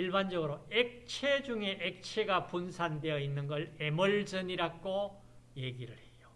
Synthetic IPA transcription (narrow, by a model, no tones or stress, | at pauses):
iɭband͡ʑʌɡɯɾoek̚t͡ɕʰe̞d͡ʑuŋe̞ʔek̚t͡ɕʰeɡapunsʰandwe̞jʌinːɯnɡʌɭemʌɭd͡ʑʌniɾaɡ͈o | je̞ɡiɾɯɾhe̞jo